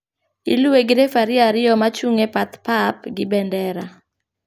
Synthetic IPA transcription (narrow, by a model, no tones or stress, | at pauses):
ilueɡɪɾefaɾɪaɾɪɔmat͡ʃuŋepat̪pap̚ɡɪbɛndɛɾa